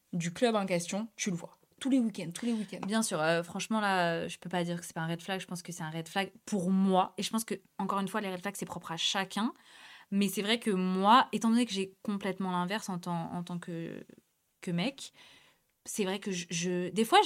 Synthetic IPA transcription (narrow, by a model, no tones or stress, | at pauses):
d̪yklœbɑ̃k̬ʲɛst̪jɔ̃t̪yləvwa̰ | t̪ulewikʲɛnd̪̚t̪ulewikʲɛ̃nbjɛ̃syːʁøfχɑ̃ʃmɑ̃laøʒəpøpad̪iʁkə̥sɛ̥paɛ̃ʁɛd̪flaɡʒəpɑ̃skəsɛt̪ɛ̃ʁɛd̪flaɡpʰuʁmwaeʒəpɑ̃skə | ɑ̃kɔʁynfwaleʁɛd̪flaɡsɛpχɔpχaʃakʲɛ̃ | mɛsɛvʁɛkəmwaet̪ɑ̃d̪ɔnekəʒɛkɔ̃plɛt̪mɑ̃lɛ̃vɛʁsɑ̃t̪ɑ̰̃ːt̪ɑ̃kə | kəmɛk | sɛvʁɛkəʒʒəd̪efwa